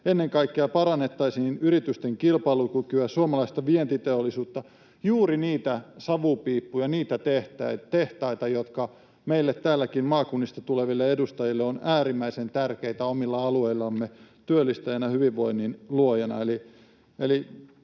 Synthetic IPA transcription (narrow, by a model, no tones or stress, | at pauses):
enːeŋkɑikːeɑpɑrɑnːet̪ːɑisiːnyɾit̪yst̪eŋkilpɑilukykyɑsuomɑlɑist̪ɑʋient̪it̪eolːˑisuːt̪ːɑ | juːriniːt̪æsɑʋupiːpːujɑniːt̪æt̪eht̪æt̪eht̪ɑit̪ɑjot̪kɑ | meilːet̪ːæːlːækinmɑːkunːist̪ɑt̪uleʋilːeedust̪ɑjilːeonæːrimːæisent̪ærkeit̪æomilːɑɑlueilːɑmːet̪yølːist̪ɑjænɑhyʋiʋʋoinːinluojenɑ̰eli | eli